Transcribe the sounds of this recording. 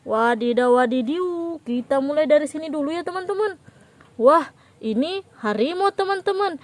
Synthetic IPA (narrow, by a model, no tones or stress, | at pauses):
wadidawadidiukit̪amulajdaɾisinidulujat̪əmant̪əman | wah | inihaɾimɔt̪əmant̪əman